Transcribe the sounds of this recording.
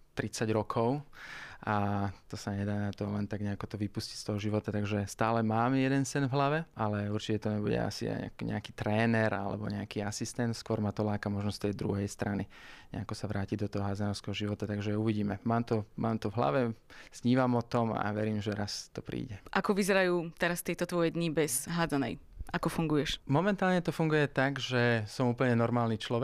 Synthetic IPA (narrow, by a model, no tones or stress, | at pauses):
t̪ɾit͡saɟɾɔkʰɔʊʔat̪ɔsaɲɛd̪aːnat̪ɔlɛnt̪aɡɲɛakɔt̪ɔʋipusci̥cst̪ɔɦɔʒiʋɔt̪at̪aɡʒɛst̪aːlɛmaːmjɛd̪ɛnsɛnvɦlaʋɛʔalɛuɾt͡ʃicɛt̪ɔɲɛbuɟɛ̰a̰sḭa̰kɲɛ̰akit̪ɾɛːnɛɾa̰lɛ̰bɔ̰ɲɛakiːasist̪ɛnt̪skʊɔɾmat̪ɔlaːkamɔʒnɔst̪ɛjd̪ɾṵɦɛjst̪ɾaniɲɲɛ̰akɔsaʋɾaːcid̪ɔt̪ɔɦɔɦad͡zanɔʊskɛɦɔʒiʋɔt̪at̪aɡʒɛuʋiɟiːmɛmaːmt̪ɔmʔaːmt̪ɔvɦla̰ʋɛz̥ɲiːʋamɔt̪ɔma̰ʋɛɾiːmʒɛɾast̪ɔpɾḭːɟɛʔakɔʋizɛɾajuːt̪ɛɾast̪ɛjt̪ɔt̪ʋɔjɛd̪ɲibɛzɦad͡zanɛ̰jakɔfuŋɡujɛʃmɔmɛnt̪aːlɲɛt̪ɔfuŋɡujɛt̪aɡʒɛsɔmuːpəɲɛnɔɾmaːlnit͡ʃlɔʋɛ